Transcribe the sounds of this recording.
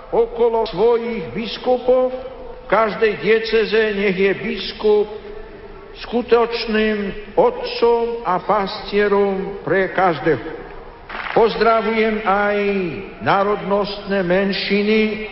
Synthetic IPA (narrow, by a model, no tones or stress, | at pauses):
ɔkɔlɔsʋɔjiɣbiskupɔw | kaʒd̪ɛjd̪ɪɛt͡sɛzɛɲɛɣjɛbiskup̚ | skut̪ɔt͡ʃnimɔt̪t͡sɔmapascɪɛɾɔmpɾɛkaʒd̪ɛɦɔ | pɔzd̪ɾaʋujɛmaj | naːɾɔd̪nɔst̪nɛmɛnʃini